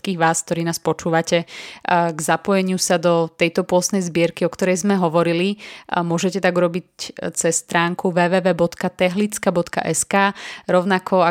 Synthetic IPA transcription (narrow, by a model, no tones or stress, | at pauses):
kiːɣʋaːsk̚t̪ɔɾiːnaːspɔt͡ʃuːʋacɛ | ɡzapɔjɛɲɪusad̪ɔt̪ɛjt̪ɔpʊɔst̪nɛjzbɪɛɾkiɔkt̪ɔɾɛjzmɛɦɔʋɔɾilimʊɔʒɛcɛt̪aɡuɾɔbit͡sɛsːt̪ɾaːŋkuʋɛːʋɛːʋɛːbɔt̪kat̪ɛɦlit͡skabɔt̪ka̰ʔɛskaːɾɔʊnakʰɔa